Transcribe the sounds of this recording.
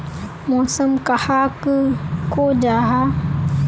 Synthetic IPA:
mɔːsəmkahakɨkod͡ʒaɦa

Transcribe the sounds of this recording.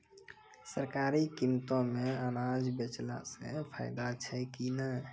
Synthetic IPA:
səɾkaɾikimt̪ɔ̃mẽənad͡ʒbet͡ʃla̰sḛpʰa̰ɪd̪at͡ʃʰɛkinə

